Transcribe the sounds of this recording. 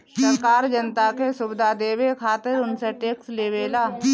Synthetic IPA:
səɾkaːɾd͡ʒənt̪akesʊbɪd̪ʱad̪eːwekʰaːt̪ɪɾʊnseʈeːksleːʋeːlaː

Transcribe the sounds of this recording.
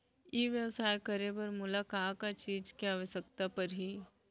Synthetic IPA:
jeːʋjəʋsaːjkɐɾebɐɾmʊlaːkaːkat͡ʃiːd͡ʒkeaːʋəʃəkt̪apɐɾɦiː

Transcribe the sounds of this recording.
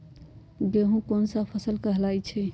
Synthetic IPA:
ɡeɦũkonsəpʰəsəlkəɦlajt͡ʃʰɛ

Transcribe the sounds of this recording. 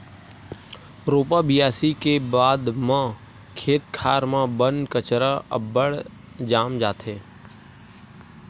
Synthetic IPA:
ɾoːpabɪjaːsikebaːd̪mã | kʰeːt̪̚kʰaːɾmãbənkət͡ʃɾaə̰bəɽ | d͡ʒaːmd͡ʒaːt̪ɦɛː

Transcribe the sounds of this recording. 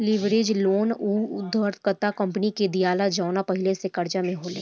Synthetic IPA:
lɪʋɾed͡ʒloːnuːʊd̪əɾt̪kət̪akɐ̃mpniked̪ijaːlad͡ʒaːnapɐɦɪlesekɐɾd͡ʒamẽɦoːlḛː

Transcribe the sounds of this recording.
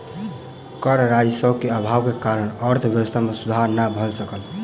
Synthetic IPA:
kəɾɾajsəbkeabʱabkekaɾənəɾt̪ʰbjwəst̪ʰamesud̪ʱaɾnabʱəlsəkəl

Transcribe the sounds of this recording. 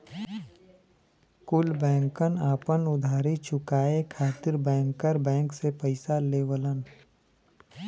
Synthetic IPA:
kʊlbɛ̃ːŋkənaːpənʊd̪ʱaːɾit͡ʃʊkaːekʰaːt̪ɪɾbɛ̃ːŋkːəɾbɛ̃ːŋksepəɪsaleːwələn

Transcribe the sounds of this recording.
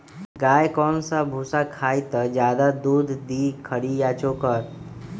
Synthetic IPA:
ɡaːjkɔːnsabʱuːsakʰaːit̪əd͡ʒjaːd̪ad̪uːd̪ʱd̪iːkʰəɽijat͡ʃoːkəɾ

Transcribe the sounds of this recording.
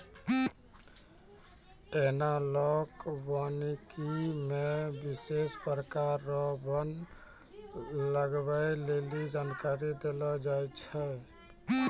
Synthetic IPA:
enalɔkbanikimebisespɾəkaɾːɔbən | ləɡbajlelid͡ʒankaɾid̪elɔd͡ʒajt͡ʃʰɛ

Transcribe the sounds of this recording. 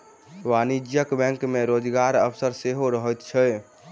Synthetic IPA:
ʋanid͡ʒjəkbɛ̃ŋkmeɾod͡ʒɡaɾəpʰsəɾseɦoɾəɦət̪t͡ʃʰɛ

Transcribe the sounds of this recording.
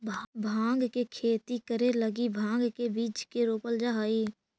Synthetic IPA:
bbʱãːŋɡkekʰeːt̪ikəɾeləɡibʱãːŋɡkebiːt͡ʃkeɾoːpəld͡ʒaɦaːiː

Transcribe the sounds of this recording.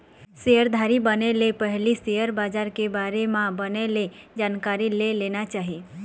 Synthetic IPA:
seəɾd̪ʱaɾibənelepəɦlisejəɾbaːd͡ʒaɾkebaɾemãbəneled͡ʒaːnkaɾilelenat͡ʃaːɦi

